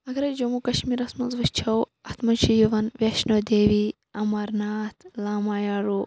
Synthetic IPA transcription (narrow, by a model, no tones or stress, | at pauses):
ɐɡɾɐd͡ʒɐmukɐʃmiːɾɐsmɐzʋɐst͡ʃʰɐw | ɐt̪mɐt͡ʃʰijiʋɐnʋeʃnoːd̪eːʋi | ɐmɐɾnaːt̪ʰlaːmaːjaːɾuː